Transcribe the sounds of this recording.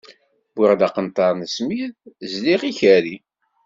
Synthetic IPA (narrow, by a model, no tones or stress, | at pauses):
bʊɾd̪ɑqənt̪ˤɑɾˤnəsmiðzliʁiçæɾi